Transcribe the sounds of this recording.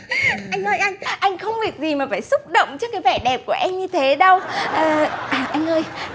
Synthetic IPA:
ʔa˧jŋnɔ˨˦jʔa˧jŋ̟ʔa˧jŋ̟xə˧wŋ͡mɓi˨˩ək̚zi˨˩maː˨˩faː˧˩jsʊ˦˥k͡p̚ɗə̰˧˨wŋ͡mt͡ɕɔ˧˥kaː˨˦jvɛ˧˩ɗɛ˨˩p̚ku˧˩əʔɛ˧mɲɨ˧t̪ʰe˨˦ɗə˧wʔəː˨˩ʔaː˨˩ʔa˧jŋ̟ʔəː˧j

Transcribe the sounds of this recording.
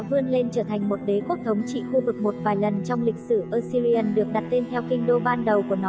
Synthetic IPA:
vɨ˧ənle˧nt͡ɕəː˧˩t̪ʰa˨˩jŋ̟mo˨˩t̚ɗe˨˦ku˦˥ək̚t̪ʰə˨˦wŋ͡mt͡ɕḭ˧˨xu˧vɨ˨˩k̚mo˨˩t̚vaː˨˩jlə˨˩nt͡ɕɔ˧wŋ͡mlï˨˩k̟̚sɨ˧˩ʔəː˧si˧li˧ə˧nɗɨ˨˩ək̚ɗa˨˩t̚t̪e˧nt̪ʰɛ˧wkï˧ŋ̟ɗo˧ɓaː˧nɗə˨˩wkku˧˩ənɔ˨

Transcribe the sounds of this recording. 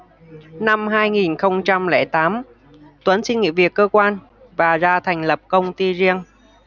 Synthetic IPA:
na˧mɦaː˧jŋi˨˩nxə˧wŋ͡mt͡ɕa˧mlɛ̰ː˧˩jt̪aː˨˦m | t̪wə˨˦nsï˧ŋ̟ŋḭ˧˨vi˨˩əkːəː˧kwaː˧n | vaː˨˩zaː˧t̪ʰɛ˨˩ŋ̟lə˨˩p̚kə˧wŋ͡mt̪i˧zi˧əŋ

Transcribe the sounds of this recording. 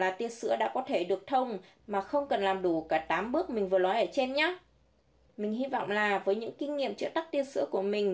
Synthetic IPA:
laː˨˩t̪i˧əsɨ̰˧˥əɗa̰ː˧˥kɔ˨˦t̪ʰe˧˩ɗɨ˨˩ək̚t̪ʰə˧wŋ͡m | maː˨˩xə˧wŋ͡mkə˨˩nlaː˨˩mɗu˧˩kaː˧˩t̪aː˨˦mɓɨ˦˥ək̚mï˨˩ŋ̟vɨ˨˩əlɔ˨˦jʔəː˧˩t͡ɕe˧nɲa˨˦ | mï˨˩ŋ̟hi˧vɔ̰˧˨wŋ͡mlaː˨˩vəː˨˦jɲɨ̰˧˥ŋkï˧ŋ̟ŋḭ˧˨əmt͡ɕɨ̰˦˥ək̚t̪a˦˥k̚t̪i˧sɨ̰˧˥əku˧˩əmï˨˩ŋ̟

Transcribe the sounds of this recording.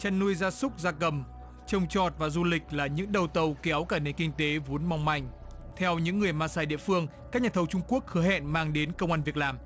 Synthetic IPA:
t͡ɕa˧nːu˧əjzaː˧sʊ˦˥k͡p̚zaː˧kə˨˩m | t͡ɕə˧wŋ͡mt͡ɕɔ˨˩t̚vaː˨˩zu˧lï˨˩k̟̚laː˨˩ɲɨ̰˧˥ŋɗə˨˩wt̪ə˨˩wkɛ˨˦wkaː˧˩ne˨˩nkï˧ŋ̟t̪e˨˦vo˨˦ənma˧wŋ͡mma˧˩jŋ̟ | t̪ʰɛ˧wɲɨ̰˧˥ŋːɨ˨˩əjmaː˧saː˧˩jɗḭ˧˨əfɨ˧əŋkaː˦˥k̚ɲaː˨˩t̪ʰə˧wt͡ɕʊ˧ŋ͡mku˦˥ək̚hɨ˨˦hɛ̰˧˨nmaː˧ŋɗe˨˦nkə˧wŋ͡mʔaː˧nvi˨˩ək̚laː˨˩m

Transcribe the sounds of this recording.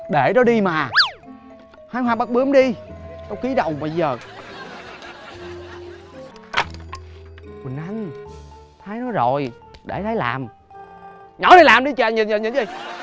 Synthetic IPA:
ɗe˧˩ɗɔ˨˦ɗi˧maː˨˩ | haː˨˦jɦwaː˧ɓa˦˥k̚ɓɨ˨˦əmɗi˧ɗɔ˨˦ki˨˦ɗə̰˨wma˨˧˩jzəː˨˩˧ | kwi˨˩ŋʔa˧ŋ | t̪ʰaː˨˦jnɔ˨˦jzo˨˩j | ɗe˧˩t̪ʰəː˨˦jla̰ː˨˩m | ɲɔ˨˧˦nʰə˨˦laː˨˩mɗi˧t͡ɕa˧˨ɲə˨˩ɲə˨˩nɲə˨˩nzi˧˩j

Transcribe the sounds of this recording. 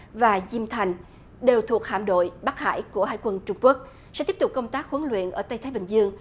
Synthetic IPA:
vaː˨˩zi˧mt̪ʰa˨˩jŋ̟ | ɗe˨˩wt̪ʰu˨˩ək̚ha̰ː˧˨mɗo̰˧˨jɓa˦˥k̚ha̰ː˧˨jku˧˩əɦa̰ː˧˥˨jkwə˧nt͡ɕʊ˧ŋ͡mku˦˥ək̚ | sɛ̰˧˥t̪i˦˥ət̪ʊ˨˩k͡p̚kə˧wŋ͡mt̪aː˦˥k̚hwə˨˦nlwḭ˧˨ənʔəː˧˩t̪a˧jt̪ʰaː˨˦jɓï˨˩ŋ̟zɨ˧əŋ

